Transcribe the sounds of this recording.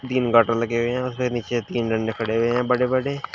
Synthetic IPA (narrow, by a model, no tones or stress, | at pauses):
t̪iːnɡaːʈəɾləɡeɦoeɦɛ̃ʊsbeniːt͡ʃet̪iːnɖə̃ɳɖeːkʰəɽeːɦʊeɦɛ̃ːbəɽeːbəɽeː